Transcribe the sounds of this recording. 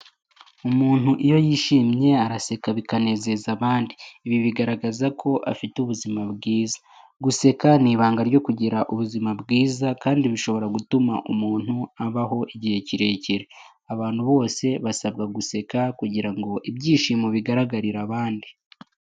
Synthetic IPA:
umuːn̥huʔijo̞jiːʃiːmɲe̞aɾase̞kaβikane̞ːze̞zaβaːndiːβiβiɡaɾaɡazakʰo̞ʔa̰fituβuzimabɡiːzḁ | ɡuse̞kaniːβaːŋɡaɾɟo̞kuɟiɾaʔuβuzimabɡiːzakaːndiβiʃo̞βo̞ɾaɡutumaʔumuːn̥huaβaɦo̞ʔiɟihe̞ciɾe̞ciɾe | aβaːn̥huβo̞ːse̞βasab̚ɡaɡuse̞kakuɟiɾaŋɡo̞ʔibɟiːʃiːmoβiɡaɾaɡaɾiɾaβaːndi

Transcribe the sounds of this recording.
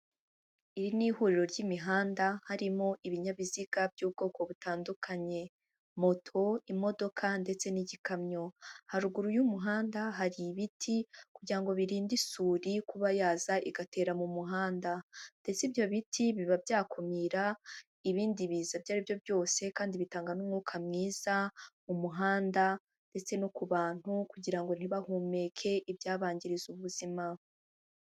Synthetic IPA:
iɾinihuɾiɾo̞ɾɟimiɦaːndahaɾimo̞ʔiβiɲaβiziɡ̥abjuːb̚ɡo̞ːko̞βutaːndukʰaɲe̞ | mo̞tʰo̞imo̞do̞kʰande̞t͡se̞niɟikamɲo̞haɾuɡuɾujumuɦaːndaɦaɾiβitʰikuɟiɾaŋɡo̞βiɾiːndisuːɾikuβajaːzaʔiɡate̞ːɾamumuɦaːndand̥e̞t͡sibjo̞βitʰiβiβabjaːkʰomiːɾa | iβiːndiβizabjaːɾibjo̞bjo̞ːse̞kaːndiβitaːŋɡanumŋuːkʰamŋiːz̥amumuɦaːnda | nd̥e̞t͡se̞nokuβaːn̥hukuɟiɾaŋɡo̞n̥iβahuːme̞kʰe̞ʔibjaːβaːɲɟiɾizuβuzima

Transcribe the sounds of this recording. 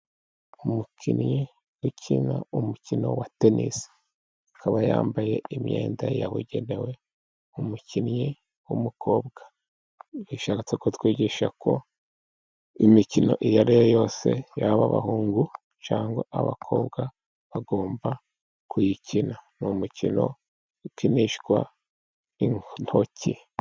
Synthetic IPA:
umukʰinji | wucʰinaumucino̞̰watenʔḭs | kʰaβajaːmbaje̞imɲḛːndajaβṵɟe̞newe̞ | umucinji | wumukʰo̞ːbɡ̥ḁ | βiʃat͡sekotwiːɟiʃakʰo̞ | imicino̞̰ʔijaɾijojo̞ːse̞̰jaβaβa̰huːŋɡu | t͡ʃaːŋɡwaʔaβa̰kʰo̞ːbɡa | βaɡo̞ːmba | kʰujicinanumucʰḭno̞ | kiniʃkwa | iŋnocʰi

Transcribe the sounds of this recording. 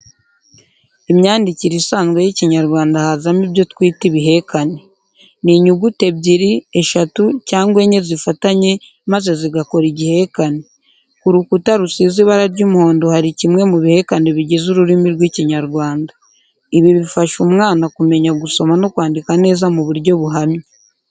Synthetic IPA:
imɲaːndiciɾisaːnzɡwejiciɲaɾɡwaːndahazamibjo̞tkwiːtiβiɦe̞kane̞ | niɲuɡute̞bɟiɾie̞ʃatucaːŋɡwe̞ɲe̞zifataɲe̞ | maze̞ziɡako̞ɾiɟihe̞kane̞ | kuɾukutaɾusiziβaɾaɾɟuːmuho̞ːndo̞haɾicimŋe̞muβihe̞kane̞βiɟe̞zuɾuɾimiɾɡwiːciɲaɾɡwaːnda | iβiβifaʃumŋaːnakume̞ɲaɡuso̞mano̞kwaːndikane̞ːzamuβuɾɟo̞βuɦamɲi

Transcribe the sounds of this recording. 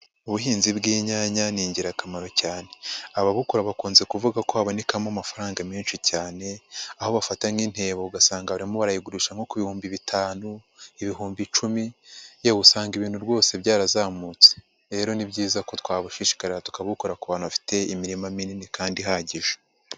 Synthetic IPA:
uβuɦiːnzibɡiːɲaɲaniːɲɟiɾakamaɾo̞caːne̞aβaβukuɾaβakuːnze̞kuvuɡakohaβo̞ne̞kamamafaɾaːŋɡamiːnʃicaːne̞aho̞βafataŋiːn̥he̞ːβouɡasaːŋɡaβaɾimo̞βaɾajiɡuɾuʃaŋ̥ho̞kuβihuːmbiβitʰaːnu | iβiɦuːmbit͡ʃumijeβusaːŋɡiβiːn̥huɾɡo̞ːse̞bɟaːɾazaːmut͡se | ɾe̞ɾo̞nibɟiːzako̞twaːβuʃiʃi̥kaɾeatu̥kaβukoɾakuβaːnuβafi̥te̞imiɾimamininikaːndiɦaɟiʒo̥

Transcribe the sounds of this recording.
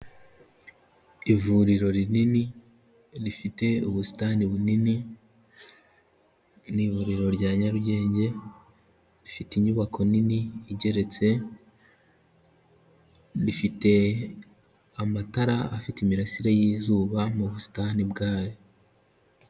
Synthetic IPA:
ivuɾiɾo̞ɾinini | ɾifite̞uβusi̥taniβunini | nivuɾiɾo̞ɾɟaːɲaɾuɟe̞ːɲɟe̞ | ɾifitiɲuβakʰo̞niniːɟe̞ɾe̞t͡se̞ | ɾifite̞ | amataɾaafitimiɾasiɾajiːzuːβamuβusi̥tanibɡaːjo̞

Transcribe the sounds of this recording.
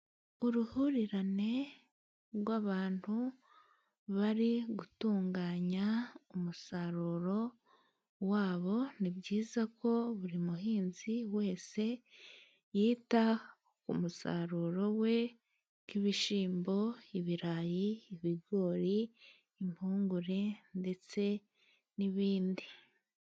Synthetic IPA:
uɾuhuɾiɾane̞ | ɾwaβaːntu | βaɾiɡutuːŋɡaːɲaumusaɾuːɾo̞ | waːβo̞nibɟiːzako̞βuɾimuɦiːnziwe̞ːse̞ | jiːta | kṵmusa̰ɾuːɾo̞we̞ | kiβiʃiːmbo̞iβiɾajiːβiɡo̞ːɾiː | mpuːŋɡuɾe̞nde̞t͡se̞ | niβiːndi

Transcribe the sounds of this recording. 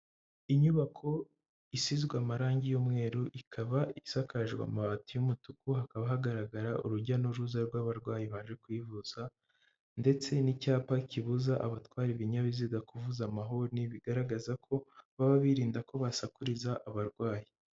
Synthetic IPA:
iɲuβakʰo̞ | isizɡwaːmaɾaːɲɟijomŋe̞ːɾuʔikʰaβaʔisakaʒɡwa̰maβatijumutukuhakaβahaɡaɾaɡaɾaʔṵɾuɾɟanuɾuzaɾɡwaβaɾɡwaːjiβaʒe̞kwiːvuz̥a | nde̞t͡se̞nicaːpaciβuzaʔaβatkwaːɾiβiɲaβiziɡakuvuzamaɦo̞niβiɡaɾaɡazakʰo̞βaβaβiɾiːndako̞βasakuɾizaʔaβaɾɡwaːji

